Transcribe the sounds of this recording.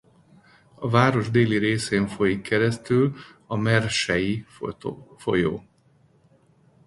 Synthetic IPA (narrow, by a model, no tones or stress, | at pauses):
ɒvaːɾo̞ʒd̪eːliɾeːseːɱfo̞jikːɛɾɛst̪yl | ɒmɛrʃɛji | fojo̰ː